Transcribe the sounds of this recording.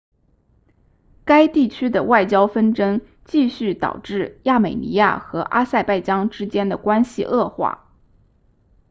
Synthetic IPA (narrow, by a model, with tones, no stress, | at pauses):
ka˥ɪt̪i˥˩t͡ɕʰy˥d̪ə˨wa˥˩ɪt͡ɕjɑ˥ʊfə˥nʈ͡ʂə˥ŋ | t͡ɕi˥˧ɕy˥˩t̪ɑ̰˨˩ʊʈ͡ʂɻ̩˥˧ja˥˩me˨˩ɪnḭ˧˥ja̰˥˩xɤ˧˥ʔa˥sa˥˧ɪpa˥˩ɪt͡ɕjɑ˥ŋʈ͡ʂɻ̩˥t͡ɕjɛ˥nd̪ə˨kwa˥nɕḭ˨ʔɤ˥˧xwa̰˥˩